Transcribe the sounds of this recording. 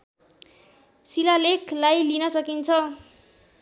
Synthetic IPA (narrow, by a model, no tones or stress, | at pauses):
silalekʰlajlinʌsʌkint͡sʰʌ